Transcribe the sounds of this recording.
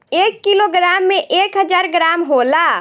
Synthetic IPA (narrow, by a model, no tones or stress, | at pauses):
eːkːiloɡɾaːmːẽʔeːkɦəd͡ʒaːɾɡɾaːmɦoːlaː